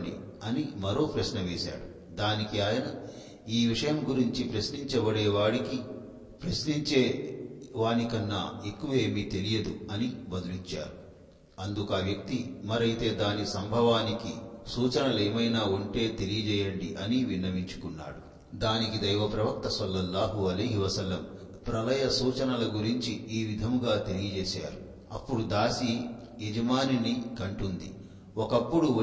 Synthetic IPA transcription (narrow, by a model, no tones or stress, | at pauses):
ɳɖḭ | ɐnimɐɾo̞ːpɾɐʃnɐʋeːsa̰ːɽu | d̪aːnikiaːjɐnɐ | iːʋiʂɐjɐmɡuɾiɲt͡ʃipɾɐsniɲt͡ʃɐʋɐɽɛːʋaːɽiki | pɾɐsniɲt͡ʃeːʋaːnikɐnːa̰e̞kːuʋɐe̞ːmit̪e̞lijɐd̪uɐnibɐd̪ulit͡ʃːa̰ːɾu | ɐnd̪ukaːʋjɐk̚t̪imɐɾɐjt̪e̞ːd̪aːnisɐmbʱɐʋaːnikisuːt͡ʃɐnɐleːmɐjnaːuɳʈe̞ːt̪e̞lijɐt͡ʃɛːjɐɳɖiʔɐniʋinːɐmiɲt͡ʃu̥kunːa̰ːɽu | d̪aːnikid̪ɐjʋɐpɾɐʋɐk̚t̪ɐsɐlːɐlːaːɦuɐlɐjɦiʋɐsɐlːɐm | pɾɐlɐjɐsuːt͡ʃɐnɐlɐɡuɾiɲt͡ʃiiːʋid̪ʱɐmɡaːt̪e̞lijɐd͡ʒɛːsa̰ːɾu | ɐ̰pːuɽud̪aːsi | ɛd͡ʒɐmaːninikɐɳʈund̪ḭ | ɔkɐpːuɽu